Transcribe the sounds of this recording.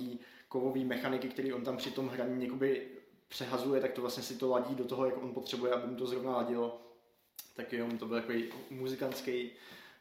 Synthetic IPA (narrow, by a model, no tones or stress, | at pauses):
iːkovo̞viːmɛxanɪkɪkt̪ɛɾiːʔo̞nt̪ampr̥ɪt̪o̞mɦɾaɲijakobɪ | pr̥ɛɦazujɛt̪ak̚t̪ovlasɲɛsɪt̪o̞laɟiːdot̪oɦo̞jakʔo̞npo̞t̪r̥ɛbujɛʔabɪmut̪o̞zɾo̞vnalaɟɪl | t̪akjɛnomt̪o̞bɪlt̪akoejmuzɪkant̪t͡skɛj